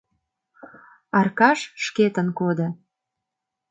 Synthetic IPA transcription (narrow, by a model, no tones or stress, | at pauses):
ɑrkɑʃʃket̪ənkod̪ə̆